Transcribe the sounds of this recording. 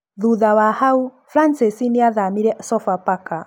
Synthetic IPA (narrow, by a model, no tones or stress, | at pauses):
ðuðawahau | fɾansisiniaðamiɾɛsɔfapaka